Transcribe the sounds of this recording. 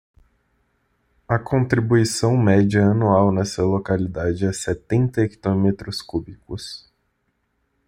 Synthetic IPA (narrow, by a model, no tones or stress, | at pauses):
ɐkʰõnt̪ɾibuisɐ̃w̃mɛd͡ʒiɐɐnuawnɛsɐlokalid̪ad͡ʒɪɛsɛt̪ẽnt̪ɐeki̥t̪õmet̪ɾʊskubikʊs